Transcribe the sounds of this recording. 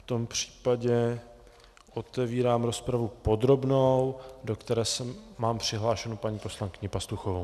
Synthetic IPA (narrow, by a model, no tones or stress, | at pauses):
ft̪o̞mpr̥i̥ːpaɟɛ | ʔo̞t̪ɛviːɾaːmɾo̞spɾavupo̞d̪ɾo̞bnowdo̞kt̪ɛɾɛːsɛːaːmpr̥ɪɦlaːʃɛnupaɲiːpo̞slaŋkɪɲɪpast̪uxovow